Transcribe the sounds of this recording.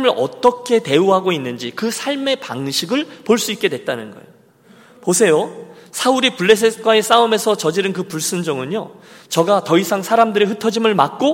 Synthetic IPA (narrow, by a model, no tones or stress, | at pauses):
mɯɾʔʌ̰t͈ʌkʰe̞te̞uɦaɡoinːɯnd͡ʑikɯsʰaɭme̞paŋɕʰiɡɯɭpoɭs͈uik̚k͈e̞dwe̞t̚t͈anɯnɡʌ̰ḛjo | posʰe̞josʰauɾipuɭːe̞s̬ʰesʰk͈waes͈aɯme̞sʰʌt͡ɕʌd͡ʑiɾɯnkɯpuɭs͈ɯnd͡ʑʌŋɯnɲo | t͡ɕʌɡatʌisʰaŋsʰaɾamdɯɾeɸɯtʰʌd͡ʑimɯɭmak̚k͈o